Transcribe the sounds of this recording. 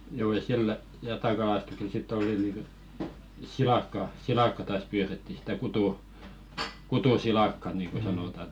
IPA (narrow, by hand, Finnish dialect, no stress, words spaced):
juː jɑ silːə jɑtɑkɑlɑstuksel sitː oli niˑŋkə silɑkːɑ silɑkːɑ tɑːs pyːretːi sĭtæ kutu kutusilɑˑkːɑ niːŋko sɑnoˑtɑn̆